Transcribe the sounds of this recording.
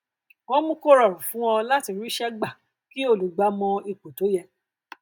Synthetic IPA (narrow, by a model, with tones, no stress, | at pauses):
wɔ̃˦mũ˦ko˦ɾɔ˦˨ɾũ˨fũ˨˦wɔ̃˧la˦ti˧ɾi˦ʃɛ˦ɡ͡ba˦˨ | ki˦o˦˧˨lu˨˦ɡ͡ba˦mɔ̃˧i˧k͡po˨to˨˦jɛ˧